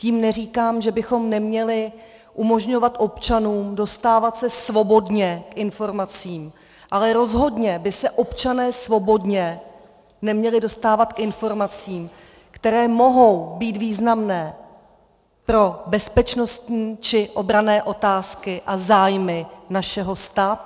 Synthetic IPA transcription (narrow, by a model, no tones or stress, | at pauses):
ciːmnɛriːkaːmʒɛbɪxo̞mnɛmɲɛlɪ | ʔumo̞ʒɲo̞vat̪ʔo̞pt͡ʃanuːmdo̞st̪aːvat̪sɛsvo̞bo̞dɲɛkʔɪnfo̞ɾmat͡siːm | ʔalɛɾo̞zɦo̞dɲɛbɪsɛʔo̞pt͡ʃanɛːsvo̞bo̞dɲɛ | nɛmɲɛlɪdo̞st̪aːvat̪kʔɪnfo̞ɾmat͡siːm | kt̪ɛɾɛːmo̞ɦo̞wbiːt̪viːznamnɛː | pɾo̞bɛspɛt͡ʃno̞st̪ɲiːt͡ʃɪʔo̞bɾanɛːʔo̞t̪aːskɪʔazaːjmɪnaʃɛɦo̞st̪aːt̪u